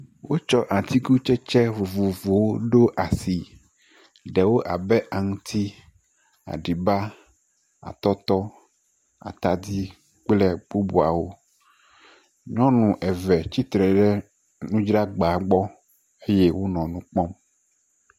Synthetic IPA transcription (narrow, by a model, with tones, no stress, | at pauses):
wo˦t͡ʃɔ˦ʔa˨t̪ʰi˦ɡu˦t͡ʃɛ˦t͡ʃɛ˦vo˨vo˨vo˨wo˦ɖo˦ʔa˨si˨ | ɖɛ˨wo˦ʔa˨bɛ˦ʔa˨ŋũ˦t̪ʰi˦ | a̰˨ɖi˨ba˦ | a̰˨t̪ɔ˦t̪ɔ˦ | a̰˨t̪a˨d̪i˦ | k͡plɛ˦k͡pu˦bu˨a̰˨wo˦ | ɲɔ̃˦nũ˨ʔɛ˨vɛ˨t͡ʃi˦t̪ɾɛ˨ɖɛ˦ | nũ˦d͡ʒɾa˦ɡ͡ba˨ɡ͡bɔ˦ | e˦jɛ˦wo˦nɔ̃˨nũ˦k͡pɔ˦m